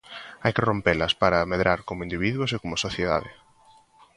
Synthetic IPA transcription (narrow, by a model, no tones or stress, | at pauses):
ajkerompelɐspaɾɐmeðɾaɾkomʊind̪iβiðwʊsekomʊsoθjeða̰ðɪ